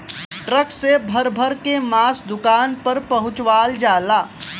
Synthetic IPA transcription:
ʈɾəksebʱɐɾbʱəɾkemaːsd̪ʊkaːnpɐɾpɐɦʊ̃t͡ʃwaːld͡ʒaːlaː

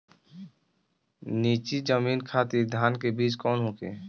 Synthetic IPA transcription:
niːt͡ʃid͡ʒəmiːnkʰaːt̪iɾd̪ʱjaːnkebiːt͡ʃkɔːnɦõːkeː

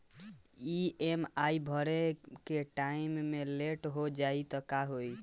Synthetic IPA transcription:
iemaibʱəɾekeʈaimːeleʈɦod͡ʒait̪ɔkaɦoj

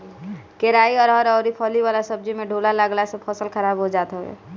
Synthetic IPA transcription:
keɾaiɔːɾɔːɾɔːɾipʰɔliwalasəb̚d͡ʒimẽɖʱuːlaləɡlasepʰɔsəlkʰəɾaːbɦod͡ʒaːt̪ɦoḛ

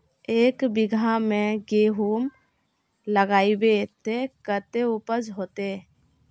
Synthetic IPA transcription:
eːkbɪɡʱamẽɡeɦum | ləɡaːibet̪ekət̪eupəd͡ʒɦoːt̪e

